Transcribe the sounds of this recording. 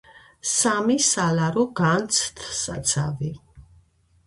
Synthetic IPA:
samisalaɾɔɡant̪sʰt̪ʰsat̪sʰavi

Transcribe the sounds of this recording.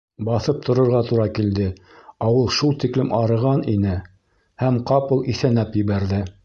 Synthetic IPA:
bɑθɤp̚t̪ʰŏɾŏɾʁɑt̪uɾɑkild̪ɘ | ɑwɤlˠʃulˠt̪iklɘmɑɾɤ̆ʁɑninɘ | hæmqɑpɤ̆lˠiθænæpjɘ̆βæɾðɘ

